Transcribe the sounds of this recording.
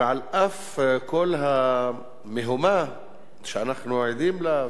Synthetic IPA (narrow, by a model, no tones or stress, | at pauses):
ʕalʔaf | kolɦa | mɪɦʊma | ʃʔanaχnuʕid̪iːmla